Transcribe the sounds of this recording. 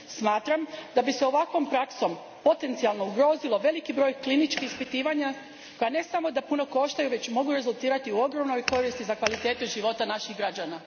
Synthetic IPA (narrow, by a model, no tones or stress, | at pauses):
smaːt̪ɾamd̪abiseo̞ʋakʋo̞mpɾakso̞m | po̞t̪e̞nt̪sialˠno̞uɡɾo̞ːzilo̞ʋe̞likibɾo̞jklinit͡ʃkiispit̪iːʋaɲa | ko̞jane̞samo̞d̪apuno̞ko̞ʃt̪ajuʋe̞t͡ɕmo̞ɡuɾe̞zulˠt̪iːɾat̪iuo̞ɡɾo̞mno̞jko̞ɾist̪izakʋalit̪eːt̪uʒiʋo̞t̪anaʃixɡɾad͡ʑana